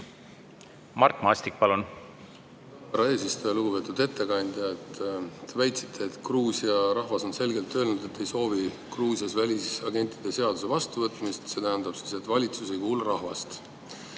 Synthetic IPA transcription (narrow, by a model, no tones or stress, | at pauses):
mɑrt̪ˑmɑɑsʲt̪ik̚pɑlun | pɑɾɑe̞ːsist̪ojɑluɡ̥upe̞ːt̪ːˑud̪̥e̞t̪ːe̞kɑnʲd̪̥jɑet̪ːt̪evæjt̪sit̪ʰˑːe̞ːt̪kruːsiɑɾɑhvɑso̞nse̞lɡe̞lt̪ːø̞ːlnud̪̥e̞t̪ːe̞jso̞ːvi | kruːsiɑsvælʲisɑɡe̞nʲt̪ːˑid̪̥e̞se̞ɑd̪̥use̞vɑst̪uvɤt̪ːˑmist̪se̞t̪æɦænd̪̥ɑb̥si̥se̞t̪ːvɑlʲit̪suse̞jkuːluɾɑhvɑ̰st̪